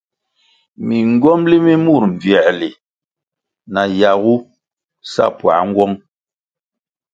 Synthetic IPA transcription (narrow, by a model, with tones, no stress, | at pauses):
mi˨ŋ˦ɡɔ˦mli˦mi˦mu˦˨ɾɱ̩˨vjɛ˨ʔli˨ | na˨ja˨ɣu˦ | sa̰˦˨pwa̰˨˦ŋ˦ɡwɔ˦ŋ